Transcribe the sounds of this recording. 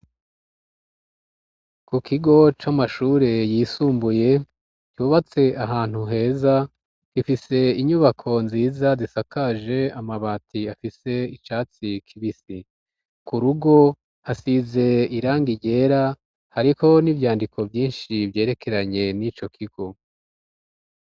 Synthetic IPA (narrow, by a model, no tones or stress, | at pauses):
kukiɡo̞t͡ʃamaʃuːɾe̞jiːsuːmbuje̞ | cuːβat͡se̞ʔaɦaːn̥huɦe̞ːza | kifise̞iɲuβakʰo̞nziːzazisakaʒe̞amaβaːtʰiafise̞it͡ʃaːt͡sikʰiβisi | kuɾuɡo̞ | hasize̞iɾaːŋɡiɟe̞ːɾa | haɾiho̞nivjaːndikʰo̞vjiːnʃivje̞ːɾe̞ke̞ɾaɲe̞nit͡ʃo̞kʰiɡ̥o̞